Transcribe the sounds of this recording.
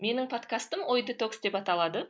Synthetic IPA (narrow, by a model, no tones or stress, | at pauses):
me̞nɪŋpʰo̞t̪kast̪əmojd̪ɪt̪oksd̪e̞pɑt̪ɑlˠɑd̪ə